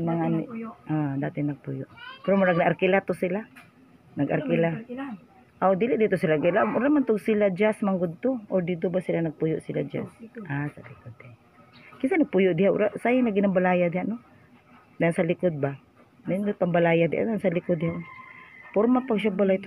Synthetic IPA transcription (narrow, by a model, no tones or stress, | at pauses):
maŋanɪʔad̪at̪ɪnaɡ̚pujʊʔpɛɾomaɾaɡnaarkɪlat̪ʊsila | naɡʔa̰rkɪla | ʔod̪ilɪʔd̪it̪ʊsilaɡilaʔʊɾamant̪ʊɡsilad͡ʒasmaŋɡʊd̪̚t̪oʔoɾd̪id̪ʊbasilanaɡ̚pujʊʔsilad͡ʒa̰sʔasa̰likʊd̪̚a | kɪnsanaɡ̚pujʊʔd̪ɪɦaʔʊ̰ɾaʔsajanaɡɪnambalaːjad̪ɪhaʔnʊ | naansalɪkʊd̪̚ba | nndʊt̪̚pambalajad̪ɪʔa̰nansalikʊd̪ːɪɦaʔ | pʊɾmapaɡʃ̬abalajt̪